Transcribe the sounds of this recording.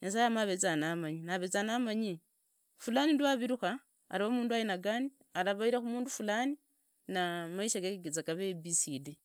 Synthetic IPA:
ɲas̬ajamaβet͡sanamaɲinaβet͡sanamaɲi | fulaninduwaβiɾuxa̰ː | ɾiomuːnduajinaɡani | alaβaiɾaxumuːndufulani | namaiʃaɡekeɡet͡sakaβebisidi

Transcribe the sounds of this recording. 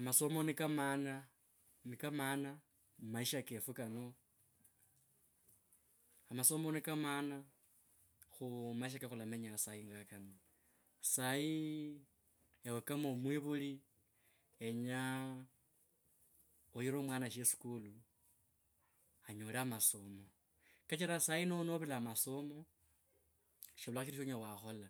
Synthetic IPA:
amaso̞monikamana | nikamana | maiʃakefukano̞ | amaso̞mo̞nikamana | xumaiʃ̬akexulameɲasaiŋɡakano | saji | jawekamomwiβuli | eɲa | ojiɾomwaːnaʃesi̥kulu | aɲoːlamaso̞mo̞ | kat͡ʃiɾasainonoβilamaso̞mo̞ | ʃiβulaxiʃiɾiʃoɲawaxo̞la

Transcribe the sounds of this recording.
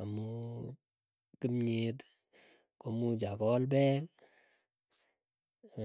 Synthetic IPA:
amu | tɨmɲet | komud͡ʒakɔlbɛk

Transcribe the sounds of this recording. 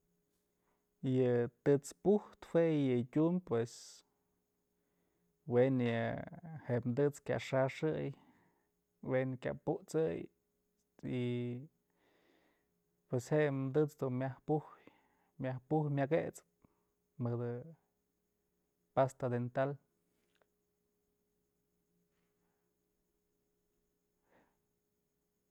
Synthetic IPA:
jɨt̪ɨt͡spuht̪hwejɨtʲumpwes | wenjɨheʔmd̪ɨt͡skʲa̰ʔʂaʂɨj | wenkʲa̰puʔt͡sɨj | i | pwesheʔmd̪ɨt͡sd̪unmjahpuh | mʲjahpuhmʲaɡet͡sp | mɨd̪ɨ | past̪ad̪ent̪al

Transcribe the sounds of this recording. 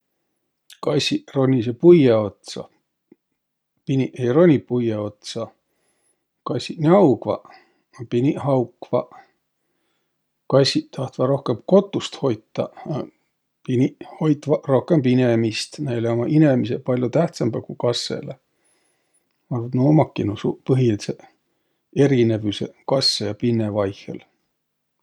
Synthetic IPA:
kɑsʲiro̞nʲis̬epujeot̪sɑ̰ | pinʲiʔejro̞nʲipujeo̞t̪sɑ | kɑsʲinʲiɑwkvɑ̰ | ɑpinʲihɑwkvɑ̰ | kɑsʲit̪ɑht̪vɑɾo̞hkempko̞t̪ːˑust̪ho̞jt̪ːɑ | piniho̞jt̪ːˑvɑro̞hke̞mpinemist̪næjleomɑʔine̞misepɑlʲjut̪æht̪sɑmbɑkukɑsːḛle | ɑnoːmɑkːinusupɤɦilse | eɾine̞vuse̞̰kɑsːejɑpinːevɑjhḛl

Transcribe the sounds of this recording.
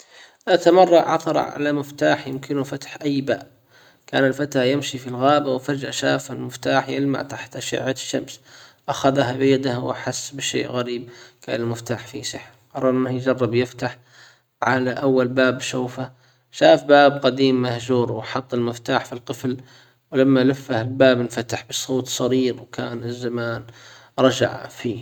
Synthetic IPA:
ʔat̪amɑrˤːɑʔʕɑt̪ˤɑɾˤɑ̰ʕa̰lamɪft̪aːħjɪmkɪnufat̪ħʔajːba̰ːʔ | ka̰ːnɪlfat̪ahjɪmʃifilɣaːbawfad͡ʒʔaʃaːfalmɪft̪aːħjɪlma̰ʕt̪aħt̪ʔaʃɪ̰ʕʕaʃːa̰msʔaxaðɦabɪjad̪ahwaħasːbɪʃḛːʔɣaɾiːb̚ka̰ːnɪlmɪft̪aːħfisɪħ | qɑɾˤɑːɾˤmahjd͡ʒɑrˤːɑbjɪft̪aħ | ʕalaʔawːalbaːbʃaːfa | ʃaːfbaːbqad̪iːmːahʒuːɾwħɑt̪ˤːɪlmɪft̪aːħfilq̪ɨfl | wlamːalafːahɪlbaːbɪnfat̪aħbɨsˤoːt̪sˤɑɾiːɾwkʰaːnɪzːamaːn | ɾˤɑd͡ʒa̰ʕfiː

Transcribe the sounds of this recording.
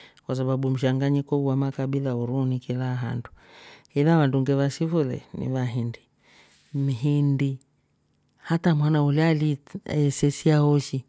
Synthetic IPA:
kwas̬aβabum̩ʃ̬aŋɡaɲikɔuwamakaɓilauɾuːnikilaɦa̰ndu̥ilaʋanduŋɡɛβasifulɛ̰nḭβaɦindi | miɦindi | hatamwanaulɛalḭɛsɛsiahɔʃi

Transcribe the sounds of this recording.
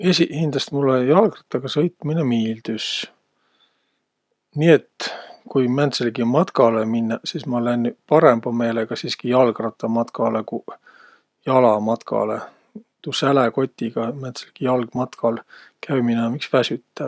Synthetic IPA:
esihind̪lɑst̪mulːejɑlɡrɑt̪ːˑɑɡ̥ɑsɤjt̪ˑminemiːld̪̥ys | nie̞t̪kujmænt̪selɡimɑt̪kɑleminːɑsiːsmɑlenːpɑɾe̞mb̥ɑme̞ːleɡ̥ɑsiːskijɑlɡrɑt̪ːˑɑmɑt̪kɑleku | jɑlɑmɑt̪kʰɑ̰lḛ | t̪usæleko̞t̪ʲːiɡ̥ɑmænt̪selɡ̥ijɑlɡ̥mɑt̪kʰɑlkʰæjminɑmiksvæsyt̪ːæ

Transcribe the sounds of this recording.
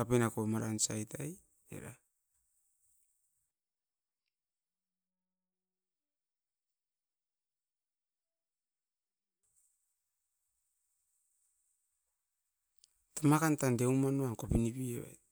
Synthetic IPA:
apenakomaɾansajtaj | ḛɾa | tamakantandeumanuaŋkopinipieβa̰j

